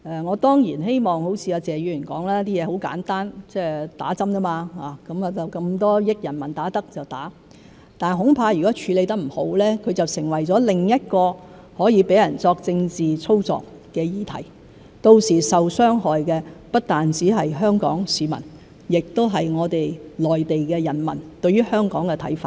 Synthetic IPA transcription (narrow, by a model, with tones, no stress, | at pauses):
ʔɛː˨˩ŋɔː˨˧t̪ɔː˥ŋjiː˨˩nɦe˥jmɔː˨˩ŋho˨˥wt͡sʰiː˧aː˧t͡sɛː˨ɥyː˨˧y˨˩nkɔː˨˥ŋlɛː˥t̪iː˥jɛː˨˧ho˨˥wka̰ː˨˥nt̪aː˥nt͡sɛː˥t̪a̰ː˨˥t͡sɐ˥mka˥maː˧haː˨kɐ˨˥maː˨˧t͡sɐ˨wkɐ˧mt̪ɔː˥jɪ˥k̚jɐ˨˩nmɐ˨˩nt̪aː˨˥t̪ɐ˥k̚t͡sɐ˨wt̪aː˨˥ | t̪aː˨nɦʊ˨˥ŋpʰaː˧jy˨kɔː˨˥t͡ʃʰyː˨˧le˨˧jt̪ɐ˥k̚m̩˨˩ho˨˥wlɛː˥kʰɵ˨˧ɥt͡sɐ˨wsɪ˨˩ŋwɐ˨˩jt͡sɔː˨˥lɪ˨˩ŋjɐ˥t̚kɔː˧ | hɔː˨˥jiː˨˧pe˨˥jɐ˨˩nt͡sɔː˧k̚t͡sɪ˧ŋt͡siː˨t͡sʰo˥wt͡sɔ̰ː˨k | kɛː˧jiː˨˧t̪ʰɐ̰˨˩j | t̪o˧wsiː˨˩sɐ˨wsœː˥ŋɦɔː˨jkɛː˧pɐ˥t̚t̪aː˨˩nt͡siː˨˥ɦɐ˨jɦœː˥ŋkɔ̰ː˨˥ŋsiː˨˧mɐ̰˨˩n | jɪ˨k̚t̪o˥wɦɐ˨jŋɔː˨˧t̪e˨jlɔː˨jt̪e˨jkɛː˧jɐ˨˩nmɐ̰˨˩nt̪ɵ˧ɥyː˥hœː˥ŋkɔː˨˥ŋkɛ˧t̪ʰɐ̰˨˥jfaː˧t̚